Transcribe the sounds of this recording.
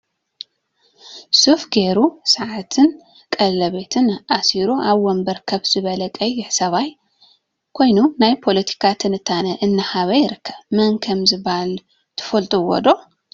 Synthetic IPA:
sufɡeɾusaʕat̪ʰɨn | kʼɐllɐβe̞t̪ʰɨnʔasiɾuʔaβwɔmbɐɾkʰɐβz̥ɨβɐlɐkʼɐjːɪħsɐβaj | kʰo̞jnunajpʰo̞lɐt̪ʰi̥kʰat̪ʰɨnɨt̪ʰːanɐʔɨnːahaβɐjɪɾɨkʰːɐβmɐnkʰɐmzɨbl | t̪ʰɨ̥fɐlt̪ʼɨwɔ̰d̪o̞

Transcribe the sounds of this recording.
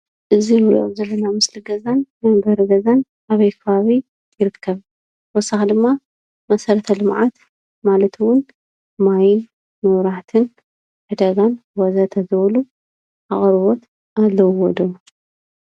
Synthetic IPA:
ʔɨzimɾʔozɐlːɐnamɨsliɡɐzannambɐɾɨɡɐzan | aβɐjkʰɐβaβi | jɪɾɨkʰːɐβ | wɔsːaxd̪ɨmːa | mɐsɐɾɐt̪ʰɐlɨmʕat̪ | malɐt̪ʰwʊn | majɪn | mɨβɾaħt̪ʰɨn | ħɨd̪azanwɐzat̪ʰɐzɨβɐlu | ʔa̰χʼɾβot̪ | ʔalːɐwwɔd̪o

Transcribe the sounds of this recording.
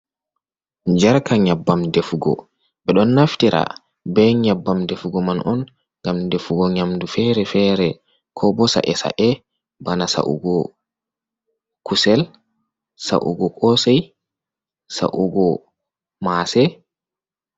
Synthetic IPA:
d͡ʒaɾkaɲabːamdefuɡɔ̰ | ɓɛɗɔnːaftiɾa̰ | bɛɲabːamdefuɡɔmanʔɔn | ŋɡamdefuɡɔɲamdufɛɾɛfɛɾɛ | kʰɔbɔsa̰ʔɛsa̰ʔɛ | banasa̰ʔṵɡɔ | kusɛl | sa̰ʔṵɡɔkʰʼɔsɛj | sa̰ʔuɡɔ | masɛ

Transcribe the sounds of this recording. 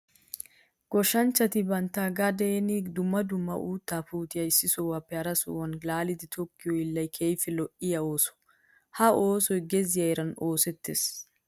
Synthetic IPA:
ɡ̥ɔʃɐnt͡ʃːɐt̪ɪbɐnt̪aːɡɐd̪eːnɪd̪ʊmːɐd̪ʊmːɐ̰ʔuːt̪ːaːpuːt̪ɪjɐɪsːɪsɔwaːpːɛɐɾɐsʊ̰wɐnlaːlɪd̪ɪt̪ʰɔkːɪjɔjɪlːɐjkʰejfɪlɔʔɪjɐoːsɔ̥ | hɐoːsɔjɡɛzɪjɐjɛɾɐno̞ːsɛt̪ːeːs

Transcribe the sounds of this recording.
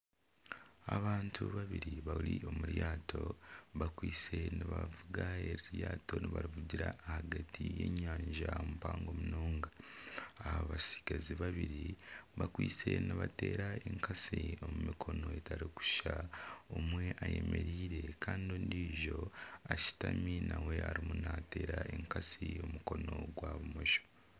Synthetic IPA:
aβaːntʰuβaβiɾiβawulio̞muɾjaːtʰo̞βakwiːt͡se̞niβavuɡaeɾiɾjaːtʰo̞niβaɾiβuɟiɾaːhaɡatʰije̞̰ɲaːɲʒaomupaːŋɡomunoːŋɡaː | aβasi̥ɡaziβaβiɾiβakwiːt͡se̞niβate̞ːɾaeŋkʰasio̞mumikʰo̞no̞etaɾiku̥ʃaomwe̞ʔaje̞me̞ɾiːɾe̞kʰaːndoːndiːʒo̞aʃi̥taminawe̞aɾimunate̞ːɾaeŋkasio̞muko̞no̞ɡwaβumoʃo̥

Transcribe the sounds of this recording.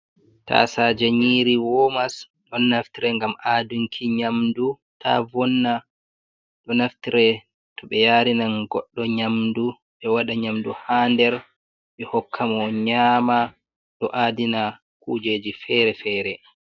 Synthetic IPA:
ta̰sad͡ʒaɲiːɾiwɔmas | ɗɔnːaftiɾɛŋɡamʔaduŋkʰiɲamdu | tʰa̰vɔnːa | ɗɔnaftiɾɛ | tɔɓɛjaːɾinanɡɔɗːɔɲamdu | ɓɛwaɗaɲamduhandɛɾ | ɓɛhɔkʰːamɔɲaːma | ɗɔʔadina | kuːd͡ʒeːd͡ʒifɛɾɛfɛːɾɛ

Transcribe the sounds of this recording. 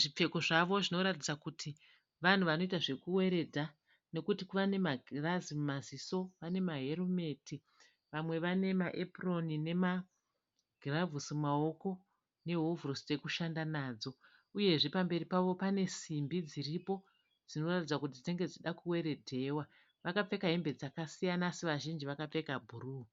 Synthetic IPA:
ʐip͡fe̞ko̞ʐaʋo̞ʐino̞ɾatid͡zakutʰi | ʋan̤uʋano̞itaʐe̞kuwe̞ɾe̞dʱa | no̞kutikʋane̞maɡrazimumaziso̞ʋane̞maɦe̞rume̞ti | ʋamwe̞ʋane̞maʔepro̞nine̞ma | ɡ̥ʱravusimao̞ko̞ | ne̞ɦovuroste̞kuʃandanaːd͡zo̞ | uje̞ʐe̞pambe̞ɾipaʋo̞pane̞simbid͡ziɾipo̞ | d͡zino̞ratid͡zakut̬iteŋɡe̞d͡ziɗakuwe̞ɾe̞dʱe̞wa | ʋakap͡fe̞kaɦembed͡zakasijanasiʋaʒind͡ʒiʋakap͡fe̞kabʱuruː

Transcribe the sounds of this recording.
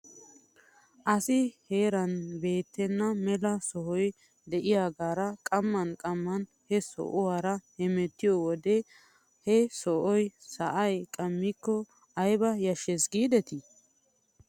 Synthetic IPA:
ʔɐsɪheːɾɐnbe̞ːt̪ːɛnːɐmɛlɐsɔhɔj | d̪ɛʔɪjaːɡaːɾɐkʼɐmːɐnkʼɐmːɐn | hɛsɔ̰ʔʊwaːɾɐhɛmɛt̪ːɪjɔwɔd̪ɛ | hɛsɔʔɔjsɐʔɐjkʼɐmːɪkːɔ | ɐjbɐjɐʃɛsɡiːd̪ɛt̪ɪ

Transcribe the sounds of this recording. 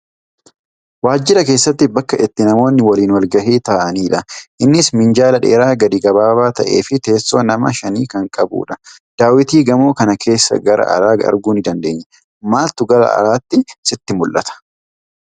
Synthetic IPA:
waːd͡ʒːɪɾɐke̞ːsːɐt̪ːɪbɐkːɐʔɪt̪ːɪnɐmo̞ːnːɪwɐliːnwɐlɡɐɦeːt̪aːʔɐniːᶑɐʔɪnːɪsmɪnd͡ʒaːlɐᶑe̞ːɾaːɡɐd̪ɪɡɐbaːbaːt̪ɐ̰ʔe̞̰ːfɪt̪e̞ːsːo̞ːnɐmɐ̰ʃɐniːkɐŋkʼɐbṵːᶑɐ | d̪̥aːwɪt̪iːɡɐmo̞ːkɐnɐkʰe̞ːsːɐ̰ɡɐɾɐ̰ʔɐ̰ɾaːɐ̰ɾɡuːnɪd̪ɐnd̪e̞ːɲːɛ | maːlt̪ʊɡɐɾɐ̰ɐ̰ɾaːt̪ːɪsɪt̪ːɪmʊlʔɐt̪ɐ̥

